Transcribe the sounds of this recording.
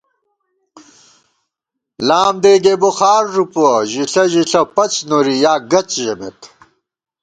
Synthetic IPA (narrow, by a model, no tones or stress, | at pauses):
laːmd̪eːɡeboxaːɾːupoʑiɬɐʑiɬɐpɐt͡ɕnoɾijaːɡɐt͡ɕʑɐmḛt̪